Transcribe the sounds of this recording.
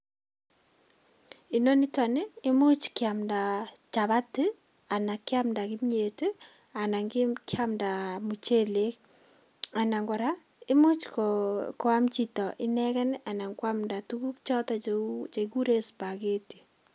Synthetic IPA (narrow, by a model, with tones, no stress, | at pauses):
i˨no˦ni˦twanɪ˦ɪ˦mu˦t͡ʃkɪa˨mda˨t͡ʃaβa˦ti˦ | a˨na˨kːɪ˦a˦mnda˨kɪ˦mɲe˨te˦ | a˨na˨ŋɡɪkɪ˦a˦mnda˨mu˨t͡ʃe˦le˦k | a˨na˨ŋɡɔ˨ɾa˦ | ɪ˦mu˦t͡ʃkkɔ˦a˦mt͡ʃitɔ˨ʔɪ˦nɛkɛ˦na˨na˨ŋkwamnda˨tu˦ku˦kt͡ʃɔ˦tɔt͡ʃe˨ku˦ɾe˦spake˦ti̥˨